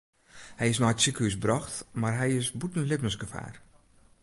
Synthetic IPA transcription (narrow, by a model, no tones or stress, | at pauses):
hɛjɪsnɔjtsikəhys̬brɔxtmarɦɛjɪsbutən̩lɪpnəsɡəfa̰ːr